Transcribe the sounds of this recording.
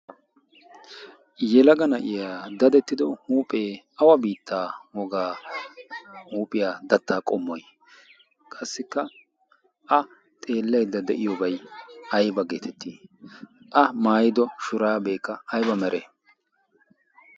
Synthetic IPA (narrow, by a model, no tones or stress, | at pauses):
jɛlɐɡɐnɐʔɪjaːd̪ɐd̪ɛt̪ːɪd̪ɔhuːpʼeːʔɐwɐbiːt̪ːaːwɔɡaː | huːpʼɪjaːd̪ɐt̪ːaːkʼɔmːɔj | kʼɐsːɪkːɐ | ʔɐ | t̪ʼe̞ːlːɐjd̪ːɐd̪ɛʔɪjɔbɐjɐjbɐɡe̞ːt̪ɛt̪ːḭː | ʔɐmaːjɪd̪ɔʃʊɾaːbeːkːɐɐjbɐmɛɾʔeː